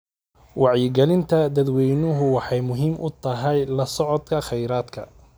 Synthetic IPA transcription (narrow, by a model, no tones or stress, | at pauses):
wɑʕjɪɡɛlɪnt̪ʰɐd̪ɐd̪wɛjnʊɦʊwɑħɑjmʊɦiːmʔʊt̪ʰɐɦɛjlɐsɔʕɔd̪kʰɐχɛjɾaːd̪kʰɐ̰